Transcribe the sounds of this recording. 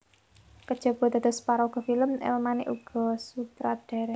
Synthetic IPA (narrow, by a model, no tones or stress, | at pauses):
kəd̥ʒ̥ɔ̤b̥ɔ̤d̪a̤d̪ɔ̤spaɾɔuɡ̥ɔ̤filəmḛlmanḭʔuɡ̥ɔ̤sut̪ɾad̥a̤ɾɛ